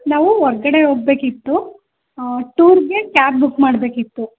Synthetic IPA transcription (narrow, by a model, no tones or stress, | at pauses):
naːʋuɔɾɐɡɐɽeɦoːɡ̚be̞ːkit̪ːu | ʈuːɾɡekjaːp̚bukmaːɽbe̞ːkit̪ːu